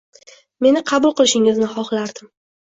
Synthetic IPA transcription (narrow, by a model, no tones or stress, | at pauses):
me̞nɪqʰɑbʊlˠqɨlˠɪʃɪŋɪznɪχɒχlaɾd̪ɪm